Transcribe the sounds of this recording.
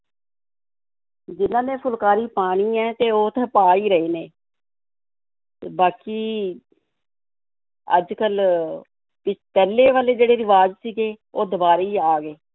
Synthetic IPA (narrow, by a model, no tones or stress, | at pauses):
d͡ʒɪnãːnẽːpʰʊlkaːɾiːpaːɽ̃iːɛːt̪eːoːt̪ʰãːpaːiːɾəiːneː | baːkiː | ə̰d͡ʒkəl | pɪt͡ʃpɛːleːʋaːleːd͡ʒeːɽeːɾɪʋaːd͡ʒsiːɡeːoːd̪əbaːɾiːaːɡeː